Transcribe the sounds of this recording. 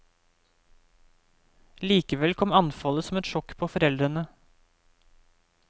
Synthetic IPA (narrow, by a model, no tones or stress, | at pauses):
liːkəʋɛlkʰɔmɑnfɑləsɔmɛt̪ʃɔkpʰoːfɔɾɛld̪ɾənə